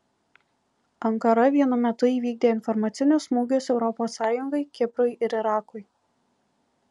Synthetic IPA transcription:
ɐŋkɐɾɐʋʲiɛnʊmʲɛt̪ʊiːʋʲiːɡ̚d̪ʲeːɪnfɔɾmɑːt̪sʲɪnʲoːsmuːɡʲosɛʊɾɔpoːsːɑːjʊŋɡɐɪkʲɪpɾʊɪʔɪɾɪɾɑːkʊɪ

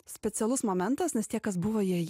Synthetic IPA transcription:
sʲpʲɛt̪sʲɛlˠʊsmoːmʲɛnt̪ɐsnʲɛst̪ʲiɛkɐsbʊʋoːjiɛj

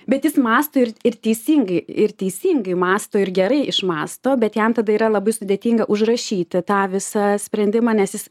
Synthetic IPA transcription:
bʲɛt̪jɪsmɑːst̪oːɪrɪrt̪ʲɛɪsʲiːŋɡɐɪɪrt̪ʲɛɪsʲiːŋɡɐɪmɑːst̪oːɪɾɡʲɛɾɐɪʔɪʃmɑːst̪oːbʲɛt̪jɛmt̪ɐd̪ɐiːɾɐlˠɐbɐɪsʊd̪ʲeːt̪ʲiːŋɡɐʔʊʒrɐʃʲiːt̪ʲɪt̪ɑːʋʲɪsɐsʲpʲɾʲɛnʲd̪ʲɪmɑːnʲɛsjɪs

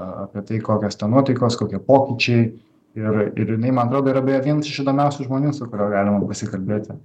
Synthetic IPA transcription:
a̰ːpʲiɛt̪ɐɪkoːkʲoːst̪ɛnnuɔt̪ɐɪkoːskoːkʲiɛpoːkʲit͡ʃʲɛɪ | ɪrɪ̰ɾjɪnɐɪmɐnɐt̪ɾoːd̪oːiɾɐbʲeːjoʋʲiɛnɐsɪʃɪd̪oːmʲɛʊsʲʊʒmoːnʲuːsʊkʊɾʲoːɡɑːlʲɪmɐpɐsʲɪkɐlʲbʲeːt̪ʲɪ

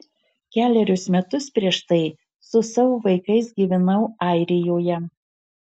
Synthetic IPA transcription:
kʲæːlʲɛɾʲʊsmʲɛt̪ʊspʲɾʲiɛʃt̪ɐɪ | sʊsɐʋoːʋɐɪkɐɪsɡʲiːʋʲɪnɐʊɑˑɪɾʲɪjoːjɛ

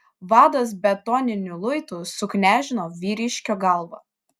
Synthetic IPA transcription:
ʋɑːd̪oːs̬bʲɛt̪ɔːnʲɪnʲʊlˠʊɪt̪uːsʊknʲæːʒʲɪnoːʋʲiːɾʲɪʃʲkʲoːɡɐlˠʋo̰ː

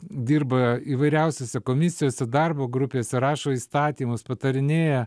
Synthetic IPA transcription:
d̪ʲiːrbɐiːʋɐɪɾʲɛʊsʲoːsʲɛkoːmʲɪsʲɪjoːsʲɛd̪ɐrboːɡɾʊpʲeːsʲɛɾɑːʃoːiːst̪ɑːt̪ʲiːmʊspɐt̪ɐɾʲɪnʲeːjɛ

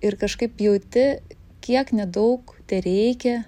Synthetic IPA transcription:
ɪɾkɐʃkɐɪppjɛʊt̪ʲɪ | kʲiɛknʲɛd̪ɐʊkt̪ʲɛɾʲɛɪkʲɛ

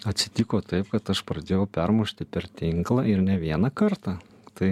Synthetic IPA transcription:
ɐt̪ʲsʲɪ̥t̪ʲɪkoːt̪ɐɪpkɐt̪ɐʃpɾɐd̪ʲeːjɛʊpʲɛɾmuːʃʲt̪ʲɪpʲɛɾt̪ʲɪŋklˠɐɪɾnʲɛʋʲiɛnɐkɐɾt̪ɑ | t̪ɐɪ

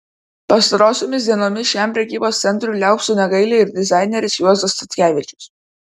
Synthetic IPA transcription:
pɐst̪ɐɾoːsʲoːmʲɪsʲd̪ʲiɛnoːmʲɪsʃʲæˑmpʲɾʲɛkʲiːboːst̪sʲɛnʲt̪ʲɾʲuːlʲæˑʊksuːnʲɛɡɐɪlʲeɪɾd̪ʲɪzɑˑɪnʲɛɾʲɪsjuɔzd̪ɐst̪ɐt̪ʲkʲæːʋʲɪt͡ʃʲʊs

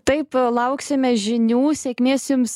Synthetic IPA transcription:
t̪ɐɪplˠɐʊksʲɪmʲɛʒʲɪnʲuːsʲɛkʲmʲeːsjʊms

